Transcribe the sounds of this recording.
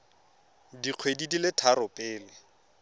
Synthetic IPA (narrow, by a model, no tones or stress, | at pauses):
diq͡χʰwedidilɪtʰaɾʊpʼɪːlɪ